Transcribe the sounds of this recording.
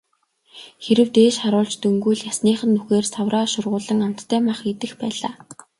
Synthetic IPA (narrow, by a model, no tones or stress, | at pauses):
xeɾɘ̆wt̪eːʃχaɾʊːɮt͡ɕt̪ɵŋɡujɮjasniːχə̆nːuxeːrsawraːʃʊrʁʊːɮə̆ŋam̥t̪ʰːæːmaχɡet̪ɘ̆xpæːɮaː